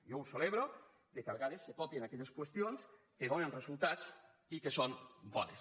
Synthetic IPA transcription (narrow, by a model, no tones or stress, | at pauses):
jowseleβɾo | d̪ekaβeɣaðesːepɔpjenakɛʎeskwest̪ions | keðonenrezulˠt̪at͡s | ikesonbɔnes